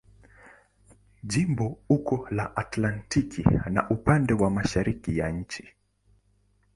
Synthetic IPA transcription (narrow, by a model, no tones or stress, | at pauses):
ʄimbɔukɔlaʔatlantikʰḭna̰ʔupandɛwamaʃaɾikijaɲ̩t͡ʃi̥